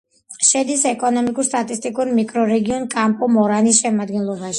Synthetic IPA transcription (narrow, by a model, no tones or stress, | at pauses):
ʃɛd̪isɛkʼɔnɔmikʼuɾst̪ʼat̪ʼist̪ʼikʼuɾmikʼɾɔɾɛɡiɔnkʼampʼɔmɔɾanisʃɛmad̪ɡɛnlˠɔbaʃi̥